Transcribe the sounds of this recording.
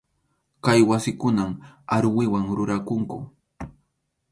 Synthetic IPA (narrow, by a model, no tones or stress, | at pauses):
kajwasɪkʊnamaɾwɪwaŋɾʊɾakʊŋkʊ